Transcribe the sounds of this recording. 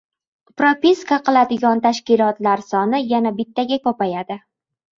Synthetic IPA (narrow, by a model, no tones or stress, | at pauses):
pɾopʲiskaqʰɨlˠad̪ɪɡʲɒnt̪ʰaʃkʲɪlˠɒt̪laɾsɒnɪjanabɪt̪ʰːaɡʲakɒpajad̪ɪ